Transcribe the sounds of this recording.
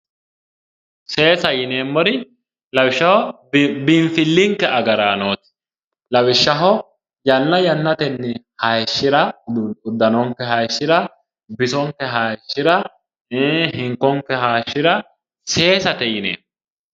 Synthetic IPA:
se̞ːsɐjɪne̞ːmːɔɾɪ | lɐwɪʃːɐhɔ | bɪɱfɪlːɪŋkːɛʔɐɡɐɾaːnoːt̪ɪ̥ | lɐwɪʃːɐɦɔ | jɐnːɐjɐnːɐt̪ɛnːɪhɐjʃːɪɾɐʊd̪ːɐnɔŋkːɛɦɐjʃːɪɾɐ | bɪsɔŋkːɛɦaʃːɪɾɐ | ɦɪŋkːɔŋkːɛɦaːʃːɪɾɐ | se̞ːsɐt̪ɛjɪnḛːm

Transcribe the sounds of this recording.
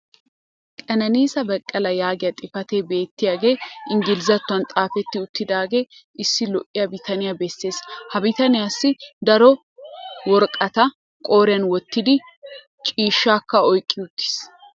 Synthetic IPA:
kʼɐnɐniːsɐbɐkʼːɐlɐjaːɡɪjɐt̪ʼɪfɐt̪e̞ːbe̞ːt̪ːɪjaːɡe̞ːʔɪŋɡɪlzɐt̪ːʊɐnt̪ʼaːfɛt̪ːɪʊt̪ːɪd̪aːɡe̞ː | ɪsːɪlɔʔʼːɪjɐbɪt̪ɐnɪjabɛsːe̞ːshɐbɪt̪ɐnɪjasːɪd̪ɐɾɔ | wɔɾkʼɐt̪ɐ | kʼo̞ːɾɪjɐnwɔt̪ːɪd̪ɪ | t͡ʃʼiːʃːaːkːɐɔjkʼːɪʊt̪ːɪ̥s

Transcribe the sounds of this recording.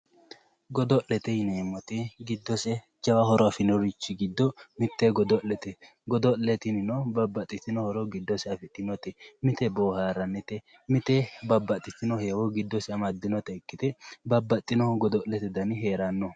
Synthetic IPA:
ɡɔd̪ɔʔlɛt̪ɛjɪneːmːɔt̪ɪɡɪd̪ːɔsɛ | t͡ʃːɛwɐhɔɾɔɐfɪnɔɾɪt͡ʃːɪɡɪd̪ːɔmɪt̪ːɛɡɔd̪ɔʔɛt̪ɛ | ɡɔd̪ɔllɛt̪ɪnɪnɔbɐbːɐt̪ʼːɪt̪ɪnɔhɔɾɔɡɪd̪ːɔsɛɐfɪᶑɪnɔt̪ɛmɪt̪ɛboːhaːɾɐnːɛt̪ɛ | mɪt̪ɛbɐbːɐt̪ʼːɪt̪ɪnɔheːwɔɡɪd̪ːɔsɛɐmɐd̪ːɪnɔt̪ɛːkːɪt̪ɛbɐbːɐt̪ʼːɪnɔɡɔd̪ɔlːɛt̪ɛd̪ɐnɪɦeːɾanːɔ

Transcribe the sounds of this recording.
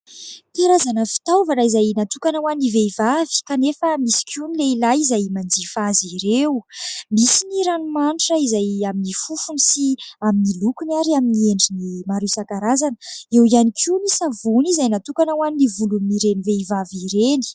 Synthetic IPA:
t̪iaɾazanəfi̥t̪awvanaizajnat̪ukanawaniveivavi̥kanefəmisi̥kʲunileilaizajmand͡zifaziɾewmisiniɾanumaɳʈ͡ʂəizajaminifufunisiaminilukunaɾiaminieɳɖ͡ʐinimaɾisakaɾazanəewianikʰumisavunizajnat̪ukanawaninivuluniiɾeniveivaviɾeni̥

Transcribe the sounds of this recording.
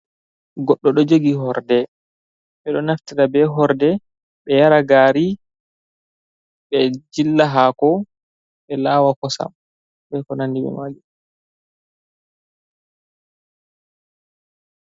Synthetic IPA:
ɡɔɗːɔɗɔd͡ʒeɡiɦɔɾdɛ | ɓɛɗɔnaftiɾabɛɦɔɾdɛ | ɓɛjaɾaɡaːɾi | ɓɛd͡ʒilːaɦakɔ | ɓɛlawakɔsa̰m | bɛkɔnandiɓɛ̰maːɡi

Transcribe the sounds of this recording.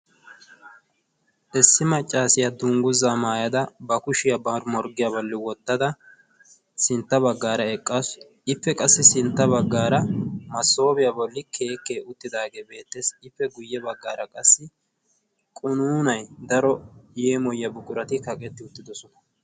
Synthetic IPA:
ʔɛsːɪmɐt͡ʃʼːaːsɪjɐd̪uːŋɡʊzamaːjɐd̪ɐbɐkʊʃɪjɐbɐɾʊmɔɾɡɪjabɔlːɪwɔt̪ːɐd̪ɐ | sɪnt̪ːɐbɐɡːaːɾɐɛkʼːas | ɪfːɛkʼɐsːɪsɪnt̪ːɐβɐɡːaːɾɐmɐsːo̞ːbɪjɐbɔlːɪkʰe̞ːkːe̞ːʊt̪ːɪd̪aːɡe̞ːbe̞ːt̪ːeːsɪfːɛɡʊjːɛbɐɡːaːɾʔɐkʼɐsːɪ | kʼʊnuːnɐjd̪ɐɾɔjeːmɔjːɐbʊkʼʊɾɐt̪ɪkɐkʼɛt̪ːɪʊt̪ːɪd̪ɔsɔnɐ̥

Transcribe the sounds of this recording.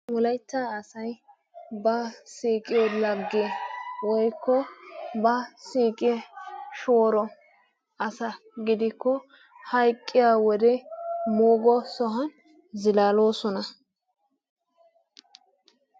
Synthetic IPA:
wɔlɐjt̪ːaːɐsɐj | bɐsiːkʼɪjolɐɡːewɔjkːɔbɐsiːkʼɪɛʃoːɾɔ | ɐsɐ | ɡɪd̪ɪkːɔ | hɐjkʼːɪjaːwɔd̪ɛmoːɡɔsɔɦɐn | zɪlaːlo̞ːsɔnɐ

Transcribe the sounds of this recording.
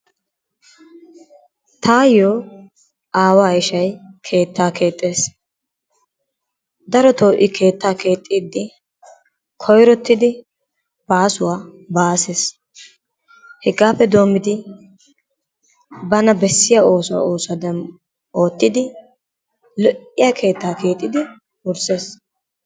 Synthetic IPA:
t̪ʰaːjoː | ʔaːwaːɪʃɐjkʰe̞ːt̪ːaːkʰe̞ːt̪ʼːe̞ːs | d̪ɐɾɔt̪oːʔɪkʰe̞ːt̪ːaːke̞ːt̪ʼːiːd̪ːɪ | kʰɔjɾɔt̪ːɪd̪ɪ | b̥aːsʊwaː | baːses | hɛɡaːpːɛd̪o̞ːmɪd̪ɪ | bɐnɐbɛsːɪjao̞ːsʊwa̰oːsɐd̪ɐn | o̞ːt̪ːɪd̪ɪ | lɔʔɪjakʰe̞ːt̪ːaːkʰe̞ːt̪ʼːɪd̪ɪ | ʊɾse̞ːs

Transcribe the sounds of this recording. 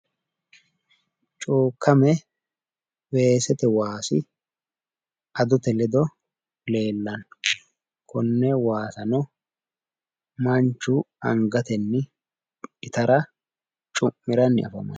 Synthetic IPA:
t͡ʃʼuːkʰːɐmɛ | we̞ːsɛt̪ɛwaːsɪ | ʔɐd̪ʊt̪ɛlɛd̪ɔ | le̞ːlːɐn | kʰɔnːɛwaːsɐnɔ | mɐnt͡ʃːʊɐŋɡɐt̪ɛnːɪ | ɪt̪ɐɾɐ | t͡ʃʼʊmːɪɾɐnːɪ̰ɐ̰fɐ̰mɐ̰n

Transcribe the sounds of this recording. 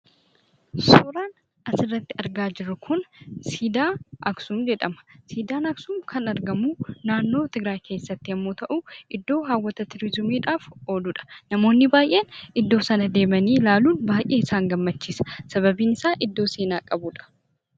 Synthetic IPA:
soːɾaːn | ʔɐsɪrːɐt̪ːɪɐɾɡaːd͡ʒɪɾːʊkʰʊnsiːd̪aːʔɐksuːmd͡ʒɛᶑɐmɐ̥siːd̪aːnɐksuːmkʰɐnɐɾɡɐmuːnaːnːo̞ːt̪ɪɡɾaːjkʰe̞ːsːɐt̪ːɪhɐmːo̞ːt̪ɐʔuːʔɪd̪ːo̞ːɦaːwːɐt̪ɐt̪ɪɾɪzʊmiːᶑaːfo̞ːd̪uːᶑɐ̥nɐmo̞ːnːɪbaːjʔeːnɪd̪ːo̞ːsɐnɐd̪e̞ːmɐniːlaːluːnbaːjʔe̞ːɪsaːŋɡɐmːɐt͡ʃːiːsɐ̥sɐbɐbiːnɪsaːʔɪd̪ːo̞ːseːnaːkʼɐbuːᶑɐ̥

